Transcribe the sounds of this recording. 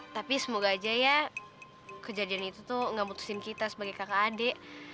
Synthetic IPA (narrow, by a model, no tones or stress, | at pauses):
t̪apisəmuɡaːd͡ʒaja | kəd͡ʒadianit̪ut̪uŋɡamut̪u̥sɪnkit̪asəbaɡajkakaːdɛʔ